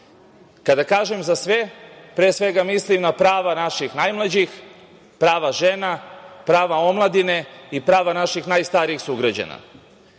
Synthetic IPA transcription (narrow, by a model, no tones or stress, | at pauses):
kad̪akaːʒemzasʋe̞pɾeːsʋe̞ɡamislimnapɾaːʋanaʃixnajmlad͡ʑix | pɾaːʋaʒenapɾaːʋao̞mlˠad̪ine̞ipɾaːʋanaʃixnaːjst̪aɾiixsuɡɾad͡ʑa̰na̰